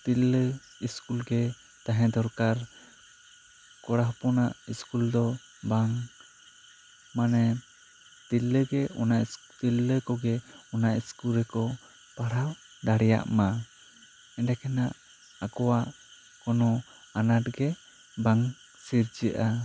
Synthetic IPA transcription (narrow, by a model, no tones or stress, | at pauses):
t̪ilːə | iskulɡɛ | t̪aɦɛ̃d̪ɔɾkaɾ | kɔɽaɦpɔnaʔiskuld̪ɔ | baŋ | manɛ | t̪ilːəɡɛɔnaʔ | t̪ilːəkɔɡɛɔnaʔiskulɾɛkɔ | paɽaw | ɖaɽɛja̰ʔma | ɛɖɛkʰɛnaʔ | akɔwaʔ | kɔnɔ | anaʈɡɛ | baŋ | siɾd͡ʒəʔa